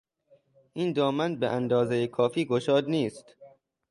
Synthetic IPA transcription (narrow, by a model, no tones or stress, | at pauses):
ʔiːnd̪ɒːmænbeʔænd̪ɒːzejekʰɒːfiːɡoʃɒːd̪niːst̪